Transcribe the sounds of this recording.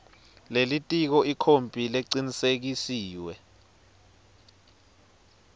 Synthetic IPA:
lelitʼik̬ɔikʰompʼileǀinisek̬isiːwɛ

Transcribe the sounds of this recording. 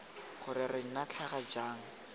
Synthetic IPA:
χʊɾɪrɪŋ̩nat͡ɬʰaχad͡ʒaːŋ̩

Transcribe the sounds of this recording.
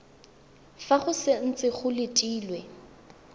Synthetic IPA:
faχʊsɪn̩t͡sʼɪɣʊlɪtʼiːlwɛ

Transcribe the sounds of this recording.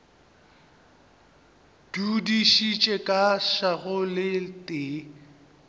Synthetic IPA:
d̥udiʃit͡ʃʼɛkʼaʃaɣʊlɪtʼɪ

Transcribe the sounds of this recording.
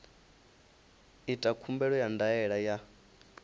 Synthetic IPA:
itʼakʰumbɛɺɔjandaɛɺaja

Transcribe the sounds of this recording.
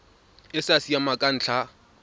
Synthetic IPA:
ɪsasiamakʼan̩t͡ɬʰa

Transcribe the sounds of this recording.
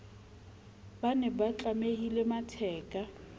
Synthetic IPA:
banɛbat͡ɬʼamehilematʰɛːkʼa

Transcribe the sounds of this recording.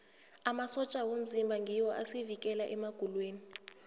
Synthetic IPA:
amasɔt͡ʃʼawom̩zimbʱaŋɡʱiwɔʔasevikʼɛlaʔɛmaɡ̥ʱulweːni

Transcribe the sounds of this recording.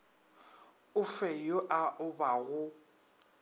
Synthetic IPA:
ʊfɛjʊʔaʔʊbaɣʊ

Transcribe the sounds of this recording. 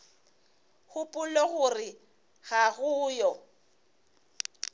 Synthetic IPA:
hʊpʼʊlɔɣʊrɪ | ɣaɣʊːjɔ

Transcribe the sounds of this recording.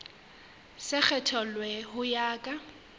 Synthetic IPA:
sɪk͡xʰɛtʰɔlwɛhʊjaːkʼa

